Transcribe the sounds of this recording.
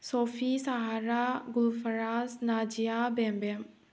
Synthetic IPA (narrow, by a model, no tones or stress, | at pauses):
sopʰisaɦaɾaɡulfʰɐɾasnad͡ʒijabɛmbɛm